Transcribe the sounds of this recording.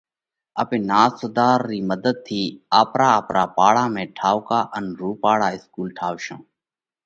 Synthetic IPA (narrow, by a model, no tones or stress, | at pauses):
ə̰pẽːnaːsəd̪aːɾːiːməd̪əd̪̚t̪ʰiːaːpɾaːəːpɾaːpaːɽaːmẽːʈʰaːʊkaːʔənɾuːpaːɽaːɪskuːlʈʰaːʋʃõ̰ː